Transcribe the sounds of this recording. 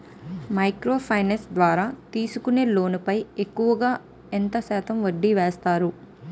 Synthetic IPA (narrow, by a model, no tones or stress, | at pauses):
mɐjkɾo̞ːpʰɐjnesd̪ʋaːɾaːt̪iːsukune̞ːlo̞ːnupɐje̞kːuʋɐɡaː | ent̪ɐsɛːt̪ɐmʋɐɖːiʋeːst̪aːɾu